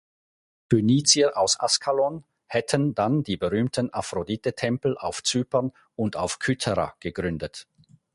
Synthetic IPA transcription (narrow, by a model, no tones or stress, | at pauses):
tyniːt͡siəʔaʊsʔa̰skʰalɔn | hɛtʰəndandiːbəʁyːmtʰənafʁodiːtətʰɛmpl̩ʔa̰ʊft͡syːpən | ʊntaʊfkʰytʰɛʁa̰ɡ̥əɡʁʏndət